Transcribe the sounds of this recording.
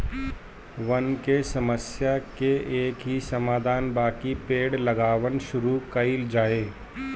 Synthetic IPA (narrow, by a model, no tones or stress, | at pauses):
ʋɐnkesɐməsjakeʔeːkɦisɐmaːd̪ʱaːnbaːkipeːɽlɐɡaːʋənʃʊɾukɐild͡ʒaːeː